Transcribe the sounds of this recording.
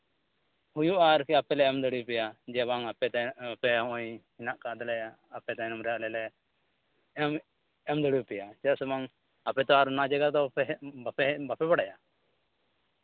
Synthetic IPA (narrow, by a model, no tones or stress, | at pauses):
hujuʔaɾkɛapɛlɛɛmd̪əɽipɛjad͡ʒɛβaŋapɛpɛɔʔɔjhinaʔkad̪ɛlɛ | apɛt̪anɔmɾɛjaʔlɛlɛ | ɛm | ɛmd̪əɽipɛjat͡ʃɛsɛmaŋ | apɛt̪ɔaɾnad͡ʒɛɡad̪ɔɛbapɛbapɛbaɽaja